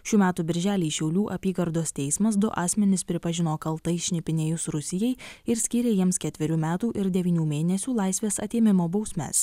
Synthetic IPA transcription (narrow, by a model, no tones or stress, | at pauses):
ʃʲuːmʲæːt̪uːbʲɪɾʲʒʲæːlʲiːʃʲɛʊlʲuːʔɐpʲiːɡɐɾd̪oːst̪ʲɛɪsmɐs̬d̪ʊʔɑːsʲmʲɛnʲɪspʲɾʲɪpɐʒʲɪnoːkɐlˠt̪ɐɪʃʲnʲɪpʲɪnʲeːjʊsɾʊsʲɪjɛɪɪɾsʲkʲiːɾʲeːjiɛmskʲɛt̪ʲʋʲɪɾʲuːmʲæːt̪uːʔɪɾd̪ʲɛʋʲiːnʲuːmʲeːnʲɛsʲuːlˠɑɪsʲʋʲeːsɐt̪ʲeːmʲɪmoːbɒʊsʲmʲɛ̰s